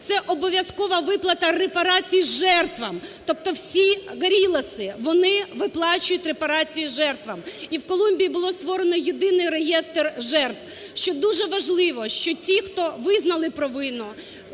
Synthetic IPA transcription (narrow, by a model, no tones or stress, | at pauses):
t̪sɛʔɔbɔʋʲjɐskɔʋɐʋɪplˠɐt̪ɐrepɐɾɑt͡sʲijizʒɛrt̪ʋɐmt̪ɔp̚t̪ɔwsʲiɣɐɾʲilˠɐsɪʋɔnɪʋɪplˠɑt͡ʃʊjʊtʲɾepɐɾɑt͡sʲijizʒɛrt̪ʋɐmiwkɔlˠumʲbʲijibʊlˠɔst̪ʋɔɾenɔjɪd̪ɪnɪjrejɛst̪erʒɛrt̪wʃt͡ʃɔd̪uʒɛʋɐʒlˠɪʋɔʃt͡ʃɔtʲixt̪ɔʋɪznɐlˠɪpɾɔʋɪnɔ